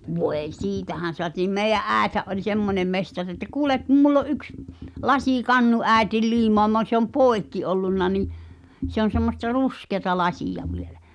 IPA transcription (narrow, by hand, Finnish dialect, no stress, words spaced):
ʋoeĭ siːtæhæn̞ soɑtiːm meijˑæʔ ʔæːethæʔ ʔolʲ semːonem mestɑr etːæ kuːlek kum mulː o ʔyks lɑsiˑkɑnːu æˑi̞til liːmoɑmɑ se om poˑi̞kːi olːunːɑ niʔ se on̞ semːostɑ ruskeɑ̆tɑ lɑsiˑjɑ ʋielæ